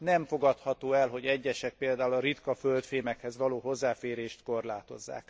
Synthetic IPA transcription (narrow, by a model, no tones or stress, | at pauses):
nɛɱfo̞ɡɒt̪hɒt̪oːɛlɦo̞ɟɛɟːɛʃɛk̚peːld̪aːulɒɾit̪kɒfølt̪feːmɛkhɛzʋɒloːɦo̞zːaːfeːɾeːʃt̪ko̞rlaːt̪o̞̰zːa̰ːk